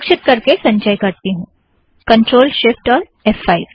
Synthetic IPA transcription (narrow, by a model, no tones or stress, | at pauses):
kʃɪt̪̚kɐɾkesɐ̃ɲt͡ʃəjkɐɾt̪iɦũː | kɐ̃ɳʈɾoːlʃɪfʈɔːɾ | ɛfaːɪʋ